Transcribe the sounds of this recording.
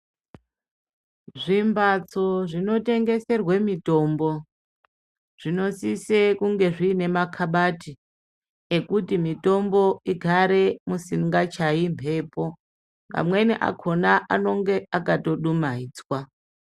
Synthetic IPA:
ʐimbʱat͡so̞ʐino̞te̞ŋɡe̞se̞rwemito̞mbo̞ | ʐ̥ino̞sisekuŋɡe̞ʐiːne̞makʰaɓati | ekutimito̞mbo̞iɡʱaɾemusiŋɡat͡ʃaimpʰe̞ːpo̞ | ŋɡa̰mweniʔa̰kʰo̞naʔano̞ŋɡeakato̞ɗumaiːd͡zwa

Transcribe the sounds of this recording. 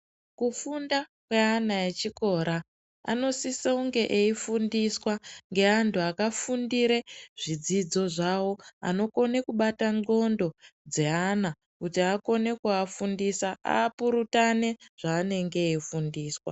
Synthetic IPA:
kufundakwe̞anaet͡ʃiko̞ːɾa | a̰no̞siseuŋɡe̞ʔeifundiswaŋɡe̞antʰuakafundiɾeʐ̥id͡zid͡zo̞ʐawo̞a̰no̞ko̞ne̞kuɓataŋo̞ndo̞d͡ze̞ana | kutiako̞ne̞kuafundisaa̰ːpuɾutane̞ʐ̥aːne̞ŋɡe̞ifundiːswa̰

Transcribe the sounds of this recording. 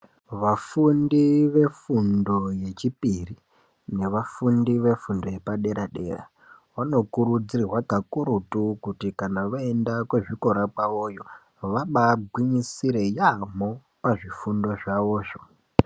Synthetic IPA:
ʋafundiʋe̞fundo̞je̞t͡ʃipiri | ne̞ʋafundiʋe̞fundo̞je̞paɗe̞ɾaɗe̞̰ːra̰ | wano̞kuɾud͡ziriwakakuɾutukutikanaʋae̞ndakwe̞ʐiko̞ɾapaojo̞ | ʋaɓaɡʱwiɲisiɾe̞jamo̞ | paʐifundo̞ʐaʋo̞ːʐo

